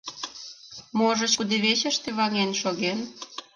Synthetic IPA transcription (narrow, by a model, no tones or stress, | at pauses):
moʒə̆t͡ɕkud̪eβet͡ɕə̆ʃt̪eβɑŋenʃoɣen